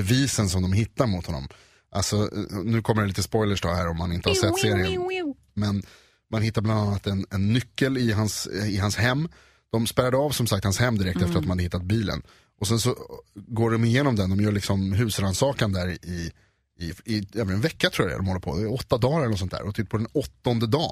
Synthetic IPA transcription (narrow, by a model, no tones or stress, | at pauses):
bɛviːsənsɔmd̪ɔmɦɪt̪ːaɾmʊt̪ʰhɔnːɔ̰m | ʔalsɔnʉ̟ːkʰɔməɖɛliːt̪əspɔjləʂtʰɑvhæːɾɔmːanɪnt̪əhasɛt̪ːseːɾɪən | mɛn | manɦɪt̪ːabland̪anːat̪ɛnɛnːʏkːəlɪɦansɪɦanshɛmː | d̪̥ɔmspɛɾad̪əɑːvsɔmsak̚t̪hanshɛmːd̪ɪɾɛkt̪ɛfəɾat̪mnad̪əhɪt̪ːat̪̚biːlə̰n | ʔɔsɛnsɔɡoːɖɔmɪjeːnɔmd̪ɛnd̪ɔmjœːɭɪksɔmɦʉ̟ːsɾansɑːkand̪æɾɪ | ɪɪɛːvənɛnvɛkːat̪ʰɾuːjɾa̰ja̰d̪ɔmɔlːəɾpʰɔ̰d̪ɛɔt̪ːad̪ɑːlllnɔsɔnt̪ʰæ̰ːɾɔt̪ʏt̪̚ːpʰɔd̪ɛnɔt̪ːɔnd̪əd̪ɑː